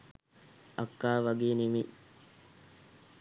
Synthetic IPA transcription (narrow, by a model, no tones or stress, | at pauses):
akːaːʋaɡeːnimi